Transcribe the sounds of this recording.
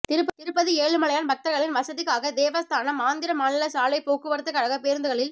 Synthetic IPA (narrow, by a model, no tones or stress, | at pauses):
t̪ɪɾɯpːɐt̪ɪɾɯpːɐðieːɭɯmɐɭɐjaːnbɐk̚t̪ɐɾɣɐɭɪnʋɐsɐðɯkaːɣɐd̪eːʋɐst̪ʰaːnɐmaːnd̪ɪɾɐmaːnɪlɐsaːlɐɪpoːkɯʋɐɾɯt̪ːɯkːɐɽɐɣɐpeːɾnd̪ɯɣɐɭɪl